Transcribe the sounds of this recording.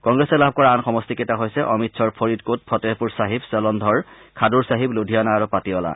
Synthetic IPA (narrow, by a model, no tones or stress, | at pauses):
kɔŋɡɹesɛlab̚ʱkɔɹaːnxɔmɔstiketaɦojsɛʔɔmitsʰɔɹpʰɔɹitkot̚pʰɔtepuɹsaɦibsɔlɔndʱɔɹ | kʰaduɹsaɦibludʱijanaːɹupatiɔla̰